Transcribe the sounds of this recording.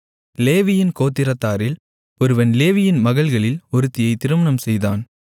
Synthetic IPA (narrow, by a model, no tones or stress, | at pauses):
leːʋɪjɪnkoːt̪ːɪɾɐt̪ːaːɾɪl | ɔɾɯʋɐnleːʋɪjɪnmɐɣɐɭɣɐɭɪlɔɾɯt̪ːɪjɐɪt̪ɪɾɯmɐnɐmsɛjðaːn